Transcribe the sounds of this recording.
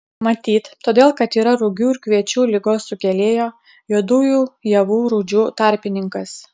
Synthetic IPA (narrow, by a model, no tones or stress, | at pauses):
mɐt̪ʲiːt̪t̪oːd̪ʲeːlˠkɐt̪iːɾɐɾʊɡʲuːɪɾkʋʲiɛt͡ʃʲuːlʲɪɡoːsːʊkʲɛlʲeːjoː | juːd̪uːjuːjɛʋuːɾʊd͡ʒʲuːt̪ɑˑɾʲpʲɪnʲɪŋkɐs